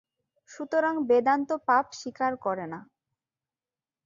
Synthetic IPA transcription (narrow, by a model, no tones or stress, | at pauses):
ʃut̪oɾaŋbed̪ant̪opapʃikaɾkɔɾena